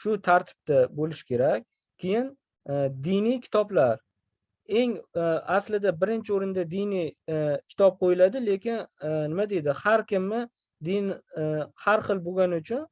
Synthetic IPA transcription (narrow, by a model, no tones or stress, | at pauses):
ʃʊt̪ʰaɾt̪ʰɪ̥b̥̚t̪abolɪʃkʲe̞ɾakʲ | kʲʰːe̞jɪn | d̪inijkʲʰɪ̥t̪ɒblaɾ | e̞ŋaslɪd̪abɪɾɪnt͡ʃʰɪoɾɪnd̪ad̪inijkʲʰɪ̥t̪ʰɒp̚qʰojɪlad̪ɪle̞kʲɪnnɪmad̪e̞d̪ɪhaɾkʲɪmːɪ | d̪inhaɾχɨlˠboɡʲanɪʊt͡ʃʰʊn